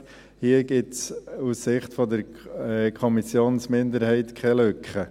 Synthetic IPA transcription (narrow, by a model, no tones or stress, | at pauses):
hiːəɡ̥ɪtsusːɪχt̪fɔdəɾ | kʰχɔmisjoːnsmɪnd̪əɾhɛɪt̪kχɛløkχə